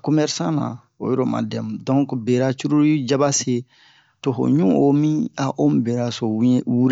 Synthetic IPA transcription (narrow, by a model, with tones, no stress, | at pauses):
ko˦mɛ˦ɾsã˦nã̰˨ | o̰˨jɔ˦ɾo˦ma̰˨dɛ̃˨mdɔ̃˦ŋkbe˨ɾa˦t͡ʃu˦ɾu˦ɾi˦d͡ʒa˦ba˦se˦ | to˨ɦo̰˨ɲũ˦o˨mĩ˦a˦ʔo˦m˨bɛ˨ɾa˨so˨wwu˦ɾe˦